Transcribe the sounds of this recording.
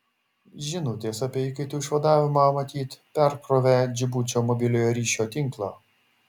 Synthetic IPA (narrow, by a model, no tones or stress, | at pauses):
ʒʲɪnuːt̪ʲeːsɐpʲɛɪkɐɪt̪ʲuːɪʃʋɐd̪ɑːʋʲɪmɑːmɐt̪ʲiːt̪pʲɛɾpɾoʋʲæd͡ʒʲɪbuːt͡ʃʲoːmɔbʲɪlʲoːjoːɾʲiːʃʲoːt̪ʲɪŋklˠɑ̰ː